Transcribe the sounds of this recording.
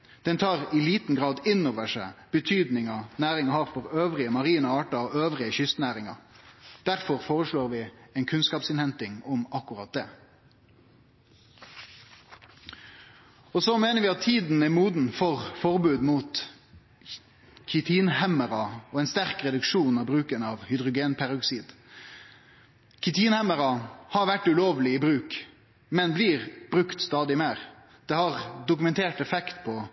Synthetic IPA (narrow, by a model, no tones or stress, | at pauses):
d̪̥ɛnt̪ʰɑːʁɪliːt̪n̩ɡʁɑːd̪ɪnːoːʋəʂæ̰b̥ət̪ʰyːd̪nɪŋɑnæːɾɪŋɑhɑːʁfɔʁøːʋʁɪəmɑʁiːnɑɑːʈɑɔøːʋʁɪəçʏst̪næːʁɪŋɑd̪̥æʁfɔʁfoːʁəʂɭoːʁʋɪɛːnkʰʉnskɑːpsɪnhɛnt̪ɪŋɔmɑkːʉʁɑt̪̚d̪eː | ɔsomeːnəɾʋɪːɑt̪ʰːiːd̪n̩ɛmuːd̪n̩fɔʁfɔʁbʉːd̪muːt̪ | kʰʏt̪ʰiːnhæməɾɑɔːɛːnst̪æʁkʁɛd̪ʉkʃuːnɑːbʁʉːkənɑːʋhʏd̪ʁʊɡeːnpʰæɾʉksiːd̪ | kʰɪt̪ʰiːnhæməʁɑhɑːʋæʈːʉloːʋlɪiːbʁʉːk | mɛnbliːʁb̥ʁʉkt̪st̪ɑːd̪ɪmeːʁ | d̪̥eːhɑʁd̪ʊkʉmɛnt̪ʰeːʈɛfɛkt̪pʰɔ